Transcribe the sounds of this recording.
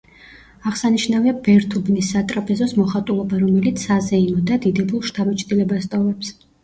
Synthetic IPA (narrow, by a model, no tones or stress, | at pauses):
aʁsaniʃnaviabɛɾt̪ʰubnisːat̪ʼɾapʼɛzɔsmɔχat̪ʼulˠɔbaɾɔmɛlit̪sʰazɛimɔd̪ad̪id̪ɛbulˠʃt̪ʰabɛt͡ʃʼd̪ilɛbast̪ʼɔvɛps